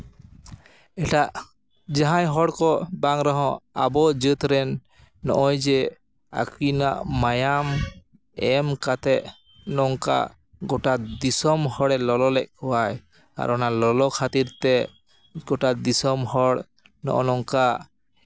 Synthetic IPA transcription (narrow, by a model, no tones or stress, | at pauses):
ɛʈaʔ | d͡ʒaɦãjɦɔɽkɔbaŋɾɔɦɔ̃a̰bɔd͡ʒət̪ɾɛnː | ɔ̰ʔɔjd͡ʒɛ | a̰kinaʔmajam | ɛmkat̪ɛʔ | nɔŋka̰ | ɡɔʈad̪isɔmhɔɽɛlɔlɔlɛʔ̚kɔwaj | ka̰ɾʔɔnalɔlɔkʰat̪iɾt̪ɛ | ɡɔʈad̪isɔmhɔɽ | nɔ̰ʔɔnɔŋkaʔ